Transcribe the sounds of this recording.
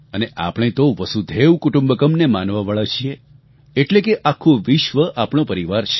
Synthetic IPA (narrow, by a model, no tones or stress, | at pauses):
əneʔa̰pɽ̃ẽt̪oʋəsud̪ʱeʋkuʈũmbəkəmnemanʋaʋaɭat͡ʃʰie | eʈlekeʔakʰũʋiʃʋəʔapɽ̃õpəɾiʋaɾt͡ʃʰ